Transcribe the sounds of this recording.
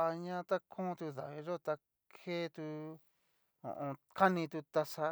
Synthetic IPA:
a˧ɲã˦t̪a˦kʰõː˦˧t̪u˧ða̰˨βi˧ʐo˦t̪a˧ | kʰe˦t̪u˧ | õ̰˨ʔõ˧ka˦nĩ˧t̪u˧t̪a˧sa˧

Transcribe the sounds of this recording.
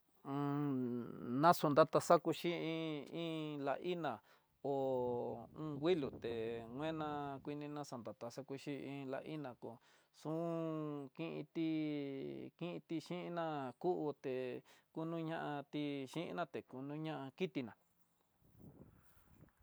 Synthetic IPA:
nã˦su˧nd̪a˦t̪a˧sa˦ku˧ʃi˦ĩ˦˧ĩ˦la̰˧ʔi˦nã˨ | o˨ | ũː˦˧wi˦lu˨t̪e˨ŋʷẽ˦nã˧kʷi˧nĩ˧nã˦sa˨nd̪a˨t̪a˧sa˦ku˧ʃi˦ĩ˧la̰˧ʔi˦nã˨ko˨ | sũ˦kĩ˦ʔḭ̃˧t̪i˦ | kĩ˦ʔĩ˧t̪i˧ʃĩ˦ʔi˧˦nã˦˧ku˦ʔu˧t̪e˨ku˦nũ˦˧ɲã˦ʔã˧t̪i˧ʃĩ˦ʔḭ̃˧nã˦t̪e˨ku˧nũ˦ɲã˦ʔa˧ki˦t̪i˧nã˨

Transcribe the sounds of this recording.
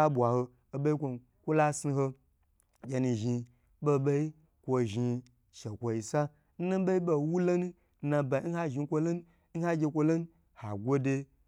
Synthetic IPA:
a˦bʷa˨ho˧ | o˨be˦i˦kʷo˧n | kʷo˦la˦si˧ɦo˧ | ɡʲe˧nu˧ʒi˧ | bo˧˨be˦i˦ | kʷo˧ʒi˧ | ʃe˨kʷo˨i˨sa˦ | n̩˦na˦be˦i˦bo˧wu˦lo˦nu˦ | na˧ba˨i˦n̩˦ha˦ʒi˧˦kʷo˧lo˦nu˦ | n̩˦ha˦ɡʲe˧kʷo˧lo˦nu˦ | ha˨ɡʷo˦de˧

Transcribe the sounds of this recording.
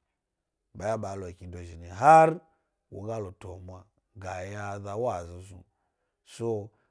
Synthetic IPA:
ɓa˨ja˦ɓa˨˦lo˨ki˨ndo˨ʒi˨ni˨ɦa˦ɾ | wo̰˨ɡa˦lo˨to˨mwa˨ | ɡa˨ja˦ða˦wa˦˨zi˨zu˦ | so˦

